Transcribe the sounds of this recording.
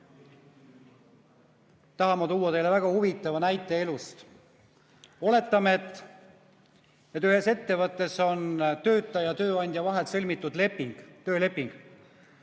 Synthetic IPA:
t̪ɑɦɑmɑt̪uːɑt̪e̞jle̞væɡ̥ɑhuvit̪ːˑɑvɑnæjt̪ːˑe̞elust̪ | o̞le̞t̪ːˑɑmet̪ːˑ | et̪ːˑyhe̞se̞t̪ːe̞vɤt̪ːˑe̞so̞nt̪ø̞ːt̪ːˑɑjɑt̪ø̞ːɑnʲd̪̥ʲjɑvɑɦet̪sɤlʲmit̪ːˑud̪le̞pːiŋɡ̥t̪ø̞ːle̞pːˑiŋɡ̥

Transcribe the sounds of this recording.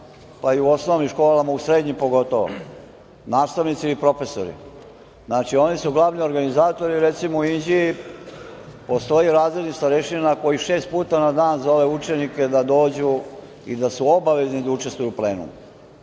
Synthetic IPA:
paiuo̞snoʋnimʃko̞ːlamausɾe̞ːd̪ɲimpo̞ɡo̞t̪o̞ʋo̰ | naːst̪aʋnit̪silipɾo̞fe̞so̰ɾḭ | znaːt͡ʃio̞nisuɡlˠaːʋnio̞ɾɡanizaːt̪o̞ɾiɾet̪simouind͡ʑii | po̞st̪o̞jiɾaːzɾed̪nist̪aɾeʃinako̞jiʃe̞ːst̪̚puːt̪anad̪aːnzo̞le̞ut͡ʃe̞nike̞d̪ad̪o̞ːd͡ʑu | ḭd̪asuo̞baʋe̞znid̪aut͡ʃest̪ʋujupleːnṵm

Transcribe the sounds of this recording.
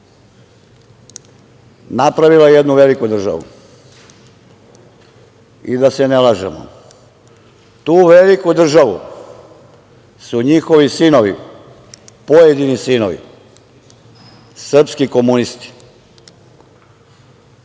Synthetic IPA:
napɾaʋilaejed̪nuʋe̞likud̪r̩ʒa̰ʋṵ | ḭd̪ase̞nelaʒḛmo̰ | t̪uːʋe̞likud̪r̩ʒaʋṵ | suɲixo̞ʋisino̞ʋi | pojed̪inisino̞̰ʋḭ | sr̩pskiko̞munist̪i̥

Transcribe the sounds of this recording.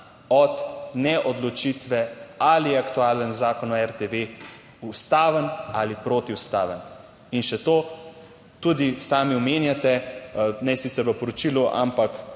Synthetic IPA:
ɔt̪nɛʔɔd̪lɔt͡ʃit̪ʋɛaliɛakt̪uaːlənzaːkɔnɔɛɾt̪eʋe | ust̪aːʋənalipɾoːt̪iwst̪aːʋən | inʃɛt̪oː | t̪ud̪isaːmiɔmeːnjat̪ɛnɛsit̪sɛɾʋəpɔɾɔt͡ʃiluʔa̰mpak

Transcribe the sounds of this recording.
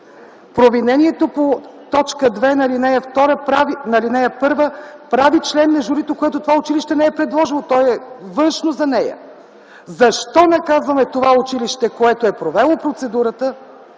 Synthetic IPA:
pɾovinɛnʲiɛt̪opot̪ɔt͡ʃkəd̪vɛnɐlinɛjəft̪ɔɾəpɾavinɐlinɛjəpɤɾvəpɾavit͡ʃlɛnːɐʒʊɾit̪okoɛt̪ot̪ovaʊt͡ʃiliʃt̪ɛnɛɛpɾɛd̪lˠɔʒilˠot̪ɔjɛvɤnʃnozɐnɛjə̰ | zɐʃt̪ɔnɐkazvəmɛt̪ovaʊt͡ʃiliʃt̪ɛkoɛt̪oɛpɾovɛlˠopɾot̪sɛd̪uɾət̪ə

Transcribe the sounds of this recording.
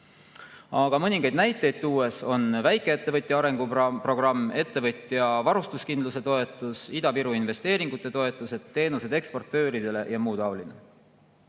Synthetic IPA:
ɑɡ̥ɑmɤnʲiŋɡ̥ɑjd̪næjt̪ːˑe̞jd̪̚t̪uːe̞so̞nvæjkːˑe̞et̪ːe̞vɤt̪ʲːˑjɑɑɾe̞ŋɡ̥upro̞ɡ̥rɑmːe̞t̪ːe̞vɤt̪ʲːˑjɑvɑɾust̪uskind̪luse̞t̪o̞e̞t̪ːˑusid̪ɑviɾuinve̞st̪e̞ːɾiŋɡut̪ːˑe̞t̪o̞e̞t̪ˑːuse̞d̪̥t̪ːe̞ːnuse̞d̪̥e̞kspo̞rt̪ːø̞ːɾid̪̥e̞le̞jɑmuːd̪ɑoline

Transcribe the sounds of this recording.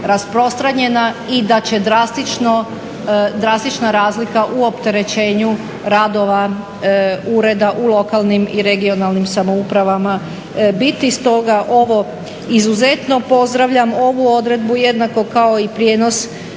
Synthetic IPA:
ɾaspɾo̞st̪ɾaɲe̞naid̪at͡ɕe̞d̪ɾast̪it͡ʃno | d̪ɾast̪it͡ʃnaɾaːzlikaʔuo̞pt̪e̞ɾe̞t͡ɕe̞ːɲu | ɾad̪o̞ʋa | uɾe̞d̪aʔulˠo̞kalˠnimiɾe̞ɡio̞nalˠnimsamo̞upɾaʋama | bit̪ist̪o̞ɡaʔo̞ʋo̞ | izuze̞t̪no̞po̞zd̪ɾaʋʎamo̞ʋuo̞d̪ɾe̞d̪buje̞d̪nako̞kao̞ipɾjeːno̞s

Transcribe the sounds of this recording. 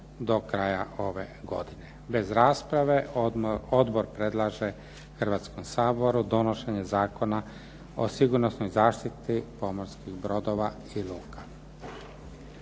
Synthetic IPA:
d̪o̞kɾaːjao̞ʋe̞̰ɡo̞̰d̪ine̞be̞zɾaːspɾaʋe̞ | o̞d̪bo̞ɾpɾe̞d̪lˠaʒe̞ | xr̩ʋaːt̪skomsaːbo̞ɾud̪o̞noʃeɲe̞zaːko̞na | o̰siɡuɾnosnojzaːʃt̪it̪ipo̞moɾskiɣbɾo̞d̪o̞ʋa | ilˠuːka

